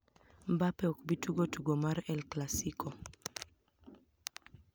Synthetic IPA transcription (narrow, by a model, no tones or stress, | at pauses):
mbapɛɔkbituɡotuɡomaɾɛlklasikʰɔ